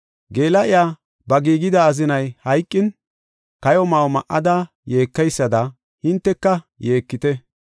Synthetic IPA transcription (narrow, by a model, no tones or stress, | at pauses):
ɡe̞ːlɐʔɪjaː | bɐɡiːɡɪd̪ɐːzɪnɐjhɐjkʼːɪn | kɐjɔmawmɐ̰ʔɐd̪ɐ | jeːkːɐjsːɐd̪ɐ | hɪnt̪ːɛkːɐ | je̞ːkːɪt̪ɛ